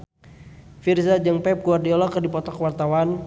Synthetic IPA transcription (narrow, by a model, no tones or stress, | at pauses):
firzad͡ʒəŋpɛp̚kuardiɔlɔkərdipɔt̪ɔkwart̪awan